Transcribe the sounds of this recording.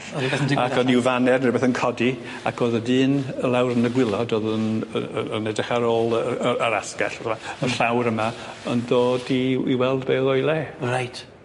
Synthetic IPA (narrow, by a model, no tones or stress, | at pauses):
ɛakʰɔnɪwvanɛrnrɪbɛθənkʰɔdi | a̰kʰoːðədɨːnəlˠawɾənəɡwɪlˠɔdoːðənəəənɛdɪχaɾoːlˠəəəɾaskɛ̰ɬəmaəɬawɾəmaənðoːdiiwɛlˠdbeːðɔjlˠeːrajtʰ